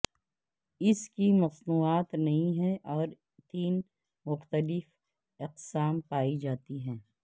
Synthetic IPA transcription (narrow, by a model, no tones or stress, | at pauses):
ɪskimɐsnuːaːt̪nɐɦĩɦɛ̃ʔɔːɾ | t̪iːn | mʊxt̪əlɪf | ɪqsaːmpaːid͡ʒaːt̪iɦɛ̃ː